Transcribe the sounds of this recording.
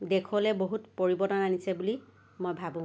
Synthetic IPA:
dekʰɔlɛboɦutpoɹibɔtɔnanisɛbuli | mojbʱabũ

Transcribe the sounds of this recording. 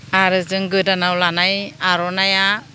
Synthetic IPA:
aɾɯzɯŋɡɯdanawlanajaɾɔnaja

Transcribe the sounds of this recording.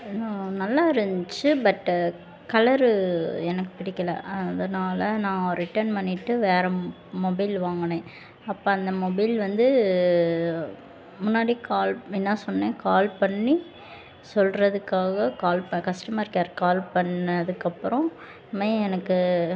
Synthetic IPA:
nanɐlːaːɪɾɯnd͡ʒt͡ʃːɯbɐʈː | kɐlɐɾɛnɐkːɯ̥pɪɽɪkːɐlɐ̰ɐðɐnaːlɐnãːɾɪʈːɐɾnpɐɳːɪʈːɯʋeːɾɛ | mɔbɐɪlʋaːŋɡɐɳẽː | ɐpːoɐnd̪ɐmɔbɐɪlʋɐnd̪ɯ | mʊnːaːɽikaːlɛnːaːsɔnːẽːkaːlpɐɳːi | sɔlrɐðɯkːaːɣɐkaːlpɐkɐsʈɐmaːɪɾɯkːɾaːɾkaːlpɐɳːɐðɯkːɐpːɯɾɔ̃ | meɛnɐkːɯ

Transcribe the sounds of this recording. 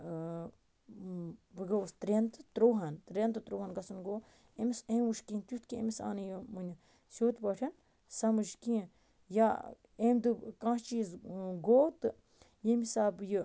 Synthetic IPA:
bɨɡɐst̪ɾʲent̪ɨt̪ɾowɦɐnt̪ɾent̪ɨt̪ɾoːhanɡɐsɐnɡoː | emʲisẽwuʃkĩːnt̪ʲjut̪ʰkiḛmisa̰ːnɨjɨmɨnʲɐ | sʲoːt̪bɐʈʰɐn | sɐmɨʃkĩ | ja | emʲd̪ɨkãːst͡ʃiːzɡoːwt̪ɨ | jemʲisaːbjɨ

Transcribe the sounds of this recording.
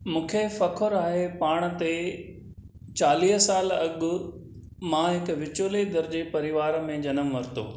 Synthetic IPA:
mũːkʰefɐkʰʊɾaːɦepaːɽ̃t̪e | t͡ɕaːliːɦsaːlɐɠʊ̆ | mãɦɪkʋɪt͡ɕoːled̪ɐɾd͡ʑepɐɾɪʋaːɾmẽd͡ʑɐnəmʋɐɾt̪o̰ː

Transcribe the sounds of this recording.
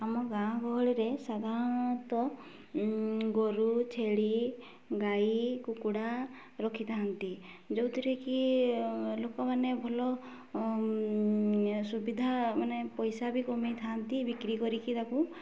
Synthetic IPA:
amɔɡãɔ̃kɔɦɔɭiɾesad̪ʱaɾɔnɔt̪ɔ | ɡɔɾut͡ʃʰeɭi | ɡajikukuɽa | ɾɔkʰit̪ʰant̪i | d͡ʒowt̪iɾeki | lokɔmanebʱɔlɔ | subid̪ʱamanepɔjsabikɔmijt̪ʰant̪ibikɾikɔɾikit̪aku

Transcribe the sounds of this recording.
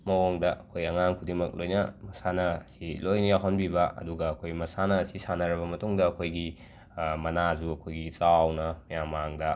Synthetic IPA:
mɐwoŋdɐʔɐkʰojɐŋaŋkʰudimɐk̚lojnɐmɐsanɐsilojnɐjawɦɐnbibɐɐ̰duɡɐːkʰojmɐsanɐsisanɐɾɐβɐmɐtuŋdɐːkʰojɡi | mɐnazuɐkʰojɡit͡ʃawnɐmɐjamːaŋdɐ

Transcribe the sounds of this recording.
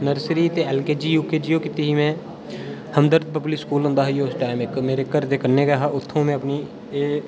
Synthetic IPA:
nəɾsɾiːt̪eːɛːlkeːd͡ʒiːjuːkeːd͡ʒiːjoːkɪt̪iːɦiːmɛ̃ː | həmd̪əɾd̪̚pəpliːskuːlʊ̃nd̪aːɦijoʊsʈaːɪmɪkmeːɾeːkəɾt̪eːkəɾnːeːɡaːɦaːʊt̪ʰːõːmɛ̃ːəpniː | eː

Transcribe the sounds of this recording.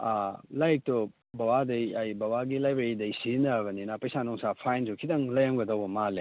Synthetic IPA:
alajk̚tɔ | bɐwadɐjajbawaɡilajbɾeɾidɐjsinɐbɐninapɐjsanɔŋsapʰajnd͡ʒukʰidɐŋlɐjaŋɡɐdɐwbɐmale

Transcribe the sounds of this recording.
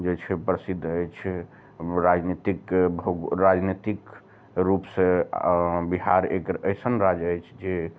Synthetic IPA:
d͡ʒet͡ʃʰɛpɾəsid̪ʱːəjt͡ʃʰɛ | ɾad͡ʒnit̪ikbɾad͡ʒnit̪ik | ɾupsẽ | biɦa̰ɾekɾəjsənɾad͡ʒəjt͡ʃʰd͡ʒe

